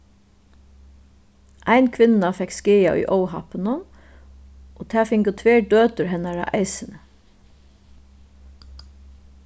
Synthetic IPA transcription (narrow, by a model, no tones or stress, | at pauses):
ʔæɪnkʰʋɪnafɛkskeːjaʔʊ̰jʔɔʊɦɑ̰pənə | ʔoːt̪ʰæːfɪŋkət̪ʰʋeːɖøːt̪ʊɾɦɛnaɹa̰ʔæ̰ɪsɪnə